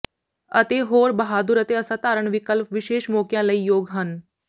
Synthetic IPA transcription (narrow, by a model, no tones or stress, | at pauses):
ət̪eːɦoːɾbɐɦaːd̪ʊɾət̪eɐsãt̪aːɾəɳ̃ʋɪkəlpʋɪʃeːʃmɔːkjãləiːjoːɡɦən